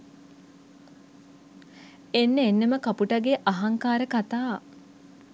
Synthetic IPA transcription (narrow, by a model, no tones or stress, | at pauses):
enːəenːəməkapuʈaɡeʔaɦaŋkaːɾəkat̪aː